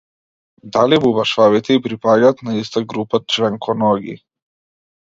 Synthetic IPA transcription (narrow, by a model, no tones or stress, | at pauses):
d̪alibubaʃvavit̪ɛipɾipaɟaːt̪naist̪aɡɾupat͡ʃvɛŋkʰɔnɔɡḭ